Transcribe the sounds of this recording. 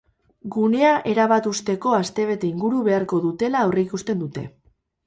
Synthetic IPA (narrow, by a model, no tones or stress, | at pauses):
ɡune̞aʔe̞ɾaβ̞at̪ust̪e̞ko̞ast̪e̞β̞e̞t̪e̞iŋɡuɾuβe̞aɾko̞ðut̪e̞laowreikust̪e̞nd̪ut̪e̞̰